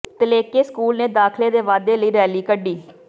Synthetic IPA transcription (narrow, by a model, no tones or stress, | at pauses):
t̪əleːkeːskuːlneːd̪aːkʰleːd̪eːʋaːd̪eːləiːɾɛːliːkəɖːiː